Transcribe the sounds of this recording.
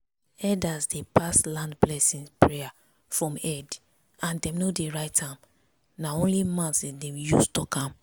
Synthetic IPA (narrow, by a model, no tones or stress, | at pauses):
ɛdasdepaslãndblɛsĩnspɹeja | fɹɔ̃mɛd | ãndɛ̃mnodeɹaɪtãm | naõnlimãntsdɛ̃justɔkʰãm